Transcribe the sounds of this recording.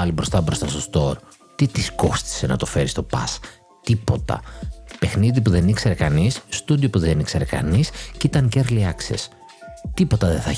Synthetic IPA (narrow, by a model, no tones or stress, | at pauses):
ɐlibɾo̞st̪ɐbɾo̞st̪ɐst̪ost̪o̞ɾ | t̪it̪isko̞st̪i̥se̞nɐt̪o̞fe̞ɾist̪o̞pɐ̰s | t̪ipo̞t̪ɐ̰pe̞xniðipuðe̞nikse̞ɾe̞kɐnisːt̪ud̪iopuðenikse̞ɾe̞kɐ̰niscit̪ɐnceɾliɐksḛs | t̪ipo̞t̪ɐðeθɐ